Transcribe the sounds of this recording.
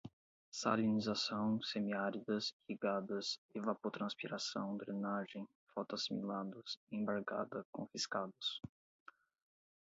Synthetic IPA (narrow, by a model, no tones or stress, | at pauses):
sa̰linizasɐ̃w̃semiaɾid̪ɐshiɡad̪ɐsevapot̪ɾɐ̃spiɾasɐ̰̃w̃d̪ɾenaʒẽj̃ | fɔt̪ʊasimḭlad̪ʊsẽbaɾɡa̰d̪ɐkõ̰fiskad̪ʊs